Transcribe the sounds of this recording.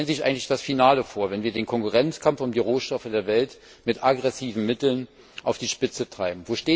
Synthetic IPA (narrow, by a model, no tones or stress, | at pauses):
lnzɪçʔa̰ɪŋ̩tlɪçd̥asfinaːləfoːɐvɛnviːɐdeːnkʰɔŋkuʁɛnt͡skʰamfʊmdiːʁoːʃtɔfədeːɐvɛlt | mɪtʔaɡʁɛsiːvn̩mɪtl̩n | ʔaʊfd̥iːʃpɪt͡sətʁ̥aɪbm̩voːʃteː